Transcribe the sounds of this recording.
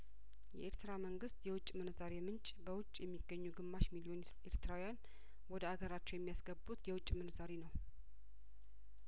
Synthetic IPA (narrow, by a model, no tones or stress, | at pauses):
jɛʔeɾt̪ʰɨɾaməŋɡɨst̪jɛwʊt͡ʃʼmɨnɨzaɾe̞mɨnt͡ʃʼbəwʊt͡ʃʼjɛmːiɡːəɲːuɡɨmːaʃmilijo̞neɾeɾt̪ʰɨɾawijan | wɔd̪əaɡəɾat͡ʃːuwjɛmːijasɡəbbut̪jɛwʊt͡ʃʼːmɨnɨzaɾenəw